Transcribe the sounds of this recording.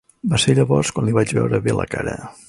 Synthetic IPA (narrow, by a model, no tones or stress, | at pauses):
baseɾʎəβɔrskwanliβat͡ʃβɛ̰wɾəβelə̰kaɾə̰